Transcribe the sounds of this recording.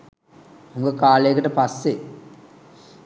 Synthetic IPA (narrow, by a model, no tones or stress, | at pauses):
hoŋɡəkaːlejəkəʈəpasːe